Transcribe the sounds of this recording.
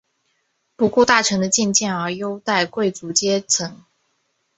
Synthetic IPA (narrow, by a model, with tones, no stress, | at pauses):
pu˧˥kwɔ˥˧t̪a˥˩ʈ͡ʂʰɤ˧˥ŋd̪ə˧t͡ɕɛ˥˧nt͡ɕjɛ˥˩nə˞˧˥jo˥ʊt̪a˥˧ɪkwe˥˩ɪt͡su˧˥t͡ɕjɛ˥t͡sʰɤ˧˥ŋ